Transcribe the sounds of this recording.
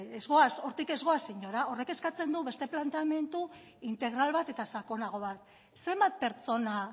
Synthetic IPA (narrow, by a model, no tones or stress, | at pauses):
ezɣo̞aso̞ɾt̪ike̞zɣo̞asiɲo̞ɾao̞re̞ke̞skat͡se̞nd̪uβe̞st̪e̞plant̪eame̞nt̪u | int̪e̞ɣ̞ɾalβat̪e̞t̪asako̞naɣ̞o̞βat̪ | se̞mbat̪̚pe̞ɾt͡so̞na